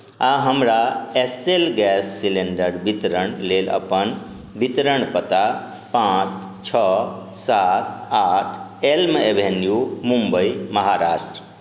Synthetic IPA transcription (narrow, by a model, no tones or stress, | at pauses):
aɦəmɾaeselɡɛsːileɳɖəɾbit̪ɾəɳlelə̰pən | bit̪ɾəɳpət̪a | pãt͡ʃ | t͡ʃʰəsat̪̚aʈʰelmebʱenjumumbəiməɦaɾasʈɾə